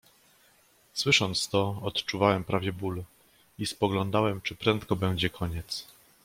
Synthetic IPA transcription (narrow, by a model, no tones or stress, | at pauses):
swɘʂɔnt̪st̪ɔɔt̪t͡ʂuvawɛmpɾʔavʲjɛbul | ispɔɡlɔnd̪awɛmt͡ʂɘpɾɛnt̪kɔbɛw̃d͡ʑɛkʰɔɲɛt̪s